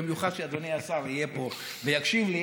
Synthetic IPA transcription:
emjuχad̪ʃead̪oneasaʁijepo̞ | vejakʃimle

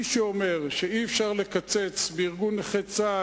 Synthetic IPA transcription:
ʃeome̞ʁʃeiefʃaʁle̞kat͡se̞t͡sbeiʁɡunχet͡sa

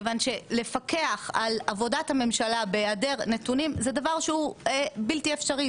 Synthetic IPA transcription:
vanʃe̞le̞fake̞aχalavo̞dathame̞mʃalabeade̞ʁnetunimzed̪avaʁʃeuebiltiefʃaʁi

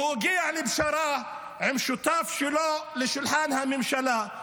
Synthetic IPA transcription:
ɡiːʕlɪbʃaɾˤɑː | ʕɪmʃut̪aːfʃɪloːʔlɪʃɪlħaːnhamɪmʃalaː

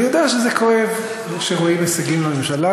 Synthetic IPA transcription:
jod̪aaʃezeko̞ev | ʃeʁoimesaɡimlomemʃala

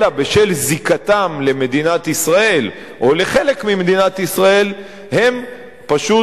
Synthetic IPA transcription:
labeʃelzikat̪amle̞me̞d̪inat̪isʁae̞l | ʔo̞le̞χe̞le̞kmimed̪inat̪isʁae̞l | he̞m | paʃu

